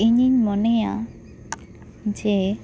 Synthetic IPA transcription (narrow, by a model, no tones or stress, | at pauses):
iɲiɲmɔneja | d͡ʒe